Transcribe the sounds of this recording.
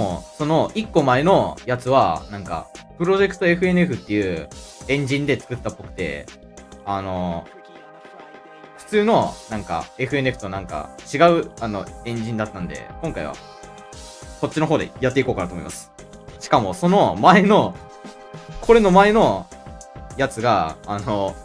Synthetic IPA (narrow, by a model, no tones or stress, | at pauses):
o̰so̞no̞ʔikːo̞mae̞no̞jat͡sɨβanãŋka̰pɯ̟ɾo̞ʑe̞kɯ̟̥t̪o̞e̞ɸɯ̟e̞nɯeɸɯ̟t̪ːe̞jɯ̟ːẽ̞ɲ̟d͡ʑĩnd̪e̞t͡sɨ̥kɯ̟t̪ːapːo̞kɯ̟̥t̪e̞̰ | ano̞ | ɸɯ̟̥t͡sɨːno̞nãŋka̰e̞ɸɯ̟e̞nɯeɸɯ̟t̪onãŋka̰t͡ɕiɡaɯ̟ano̞ẽ̞ɲ̟d͡ʑĩnd̪at̪ːãnd̪e̞̰kõŋkaḭβa̰ | ko̞t͡ɕːino̞ɦoːd̪ejat̪ːeiko̞ːkanaɯt̪omoimasɨ̥ | ɕi̥kamo̞so̞no̞mae̞no̞ | kʰo̞ɾe̞no̞mae̞no̞ | jat͡sɨɡaːno